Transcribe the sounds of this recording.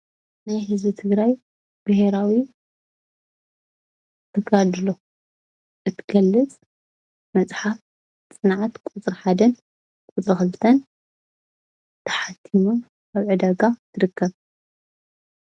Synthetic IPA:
najɦɨzbɨt̪ʰɨɡɾaj | b̥ɐheɾawi | t̪ʰɐɡad̪lo | ʔɨt̪ʰɡ̥ɐlːɨt͡sʼ | mɐt͡sʼħaf | t͡sʼɨnʕat̪kʼut͡sʼɾħad̪ɐn | kʼuʊt͡sʼɾɨxɨlt̪ʰɐn | t̪ʰɐ̥ħat̪ʰːimo | aβʕɨd̪aɡat̪ʰɨɾɨkʰːɐβ

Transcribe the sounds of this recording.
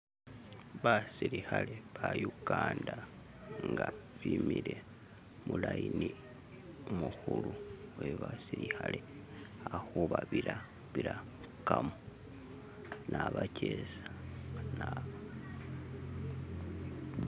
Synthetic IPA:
βasiɾihaleβajuɡaːnda | ŋɡaβimiɾe̞ | mulaini | muhuluweβasiɾixale̞ | ahuβaβila | βiɾa | kamo | nʔaβacʰesḁna

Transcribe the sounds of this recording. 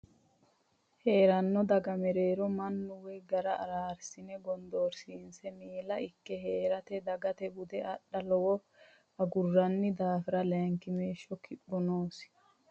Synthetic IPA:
he̞ːɾɐnːɔd̪ɐɡɐmɛɾe̞ːɾɔmɐnːʊwɛɡɐɾɐɐ̰ɾaːɾsɪnɛɡɔnd̪oːɾsiːnsɛmeːlɐɪkːɛɦeːɾɐt̪ɛd̪ɐɡɐt̪ɛbʊd̪ɛɐɗːɐlɔwɔ | ɐɡʊrːɐnːɪd̪aːfɪɾɐlɛŋkɪmeːʃːɔkʰɪbːɔnoːs

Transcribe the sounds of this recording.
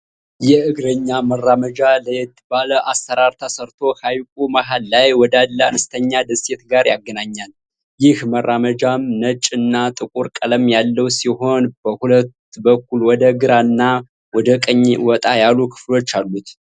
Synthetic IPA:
jɛʔɨɡɾəɲːamərːaməd͡ʒaləjɛt̪ʰːɨbaləʔasːəɾaɾt̪ʰəsəɾt̪ʰo̞hajkʼumaɦalːajwɔd̪alːəa̰nɨst̪ʰəɲːad̪əse̞t̪ɡaɾja̰ɡːənaɲːal | jɪhmərːaməd͡ʒamnət͡ʃʼɨnːat̪ʼɨkʼuɾkʼələmjalːəwsiɦo̞nbəhulət̪bəkːulwɔd̪əɡɨɾanːa | wɔd̪əkʼəɲːwɔt̪ʼajalːukʰɨ̥flo̞t͡ʃːalːut̪

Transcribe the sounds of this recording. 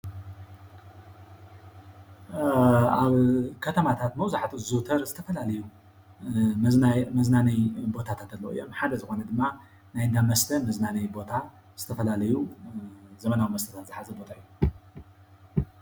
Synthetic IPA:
aβkʰɐt̪ʰɐmat̪ʰat̪mɐwzaħat̪ʰuzut̪ʰɐɾzɨt̪ʰɐfɐlalɐju | mmɐznanɐjbo̞t̪ʰat̪ʰat̪ɐlːɐwɨ̰jːo̞̰mħad̪ɐzɨxo̞nɐd̪ɨmːa | najd̪amɐst̪ʰɐmɐznanɐjbo̞t̪ʰa | z̥ɨt̪ʰɐfɐlalɐju | zɐmɐnawimɐst̪ʰɐ̥t̪ʰat̪zɨħazɐbo̞t̪ʰaɨjːu

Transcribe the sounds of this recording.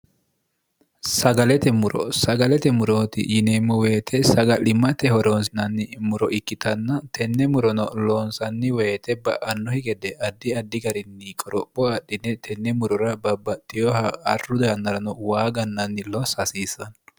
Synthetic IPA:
sɐɡɐlɛt̪ɛmʊɾɔ̰sɐɡɐlɛt̪ɛmʊɾoːt̪ɪ̰jɪneːmːɔweːt̪ʰɛsɐɡɐlɪmːɐt̪ɛhɔɾoːnsɪnɐnːɪmʊɾɔʔɪkːɪt̪ɐnːɐt̪ɛnːɛmʊɾɔnɔloːnsɐnːɪweːt̪ɛbɐ̰ʔɐnːɔhɪɡɛd̪ɛʔɐd̪ːɪɐd̪ːɪɡɐɾɪnːɪkʼɔɾɔbɔɐɗːɪnːɛt̪ʰɛnːɛmʊɾɔɾɐbɐbːɐt̪ːɪjɔhɐɐrːʊd̪ɐjɐnːɐɾɐnɔwaːɡɐnːɐnːɪlɔsɐsiːsːɐn

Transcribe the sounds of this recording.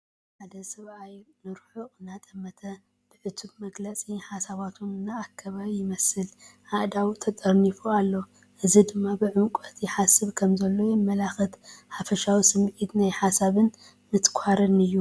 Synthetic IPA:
ħad̪ɐsɐβʔajnɨɾħuʔɨnat̪ʼɐmːɐt̪ʰɐ | b̥ɨʕɨt̪ʰubmɐɡlɐt͡sʼiħasaβat̪ʰunɨnːaːkʰːɐβaβijɪmɐsɨlʕaʔd̪awt̪ʰɐt̪ʼɐɾnifualːo̞ | ʔɨzid̪ɨmːabɨʕɨŋkʼɐt̪jɪħasɨβkʰɐmzɐlːo̞jɪmːɐlaxɨt̪ħafɐʃawisɨmʕit̪najħasaβɨn | mɨt̪kʷʰaɾɨnɨjːu

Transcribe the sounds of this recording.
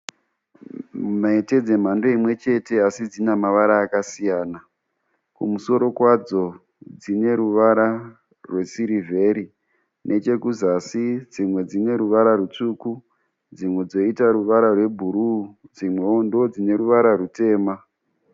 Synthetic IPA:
maete̞d͡ze̞m̤ando̞imwe̞t͡ʃe̞te̞asid͡zinamaʋaɾaːkasijaːna | kumuso̞ɾo̞kwad͡zo̞ | d͡zine̞ɾuʋaɾa | rwe̞siɾive̞ɾi | nʔe̞t͡ʃe̞kuzasid͡zimwe̞d͡zine̞ɾuʋaɾarut͡ʂuːku | d͡zimwe̞d͡zo̞itaɾuʋaɾarwe̞bʱuɾud͡zimwe̞ondod͡zine̞ɾuʋaɾarute̞ːma

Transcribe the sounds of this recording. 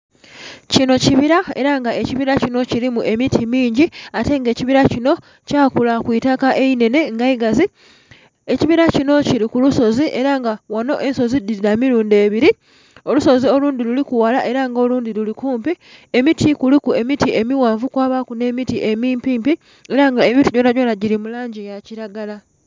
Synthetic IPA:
cino̞ciβiɾae̞̰ɾaŋɡaʔe̞ciβiɾacino̞ciɾimuʔe̞mitʰimiːɲɟiate̞ŋɡe̞ːciβiɾacino̞ | caːkulakwitakaʔe̞ine̞ne̞ŋɡaiɡazi | e̞ciβiɾacino̞ciɾikuluso̞ziʔe̞ɾaŋɡawano̞ʔe̞nso̞zidiɾiɾamiɾuːnde̞ːβiɾi | o̞luso̞zio̞luːndilulikuwalaʔe̞ɾaŋɡo̞luːndilulikuːmpi | emitʰikulikue̞mitie̞miwaːɱvukwaːβakune̞ːmitiʔemiːmpiːmpi | eɾaŋɡaemituɟonaɟonaɟiɾimulaːɲɟijaciɾaɡala

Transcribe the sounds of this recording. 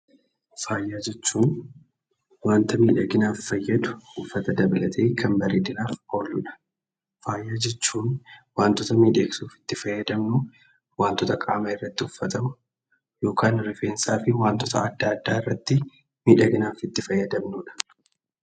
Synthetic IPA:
faːjːaːd͡ʒɛt͡ʃːuːn | waːnt̪ɐmiːᶑɐɡɪnaːfːɐjːɐd̪ʊ̥hʊfːɐt̪ɐd̪ɐbɐlɐt̪ʰeːkʰɐmbɐɾeːd̪ɪnaːfhɔɾlʊ̰ᶑɐ̥ | faːjːaːd͡ʒɛt͡ʃːuːnwaːnt̪ɔt̪ɐmiːᶑe̞ːksuːfɪ̥t̪ːɪfɐjːɐd̪ɐmnʊ | waːnt̪ɔt̪ɐkʼa̰ːmɐɪrːɐt̪ːɪʊfːɐt̪ɐmʊ̥ | jo̞ːkaːnɾɪfe̞ːnsaːfɪwaːnt̪ɔt̪ɐ̰ɐd̪ːaːɐd̪ːaːɪrːɐt̪ːɪ | miːᶑɐɡɪnaːfɪt̪ːɪfɐjːɐd̪ɐmnuːᶑɐ̥

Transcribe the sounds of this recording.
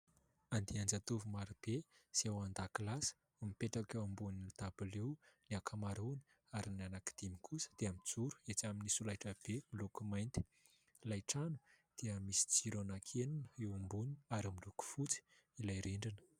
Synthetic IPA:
and̪iand͡zat̪uvumaɾib̥esiewand̪akilasə̥ | umipeʈ͡ʂakewambuninid̪̥ab̥ulewniakʰamaɾunə | aɾinanaki̥d̪̥imikʰusə̥d̪̥eamid͡zuɾu̥et͡saminisulajʈ͡ʂəb̥emilukumajnt̪i̥ | lajʈ͡ʂanu̥ | d̪̥iəmisi̥d͡ziɾonakʰeninəewambunaɾimiluku̥fut͡si̥ | ilajɾeɳɖ͡ʐinə̥

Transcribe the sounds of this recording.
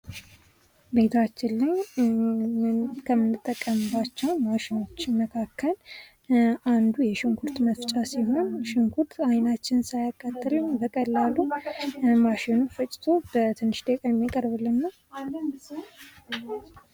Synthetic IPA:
be̞t̪ʰat͡ʃːɪlːɨɲ | kʰəmːɨnːɨt̪ʼːəkʼːəmbat͡ʃːɛwmaʃɪno̞t͡ʃːməkʰakːəl | ʔand̪ujɛʃɪŋkʰuɾt̪məft͡ʃʼasiɦo̞nʃɪŋkʰuɾt̪ajnat͡ʃːɪnsajakʼːat̪ʼːəlɨɲbəkʼəlːalːu | maʃɪnufət͡ʃʼɪ̥t̪ʰo̞b̥ət̪ʰɨnːɨʃt̪ʼekʼəmjakʼəɾbɨlːɨnːa

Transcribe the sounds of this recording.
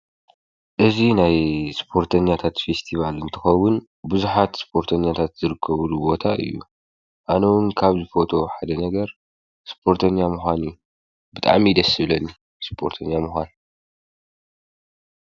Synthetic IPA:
ʔɨzinajspʰo̞ɾt̪ʰɐɲːat̪ʰat̪fe̞st̪ʰiβalɨnt̪ʰɨxɐwːʊn | bɨzuħat̪spʰo̞ɾt̪ʰɐɲːat̪ʰat̪z̥ɨɾɨkʰːɐβlubo̞t̪ʰaʔɨ̰jːṵ | ʔanɐwunkʰaβzɨfo̞t̪ʰo̞ħad̪ɐnɐɡɐɾ | spʰo̞ɾt̪ʰɐɲːamuxʷanju | bɨt̪ʼa̰ʕmid̪ɐsɨβlɐnːi | spʰo̞̰ɾt̪ʰɐɲːamuxʷan

